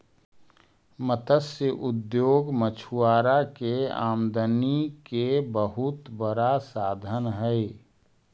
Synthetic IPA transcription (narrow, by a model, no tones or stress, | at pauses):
mət̪əsjəʔʊd̪joːɡmət͡ʃʰuaːɾakea̰ːmd̪ənikebəɦʊt̪bəɾasaːd̪ʱənɦɛe